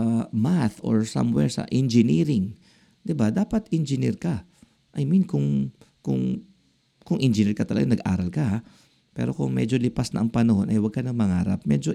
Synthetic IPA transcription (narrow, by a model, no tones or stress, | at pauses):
maθʔo̰ɹsa̰mwɛɹsɐ̰ʔɛnd͡ʒɪniːɾɪŋ | d̪̥ɪbad̪aːpɐt̪ʔɛnd͡ʒɪnḭɹkɐ | ʔɐjminkʊŋkʊ̰ŋ | kʊŋʔɛnd͡ʒɪniɹkɐt̪ɐlɐɡanɐɡʔa̰ːɾɐlkɐha | pɛ̰ːɾo̞kʊŋmɛːd͡ʒo̞lɪpasnɐ̰ʔɐŋpɐnɐho̞nʔɐjwɐɡ̚kɐnɐŋmɐŋa̰ːɾɐ̰p̚mɛd͡ʒo